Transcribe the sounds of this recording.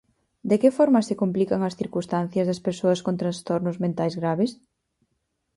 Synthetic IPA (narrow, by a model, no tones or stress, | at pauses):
d̪ekefɔɾmɐsekomplikɐŋɐsθiɾkust̪an̟θjɐzðɐspeɾsoɐskont̪ɾanst̪ɔɾnʊzmẽnt̪ajzɣɾaβes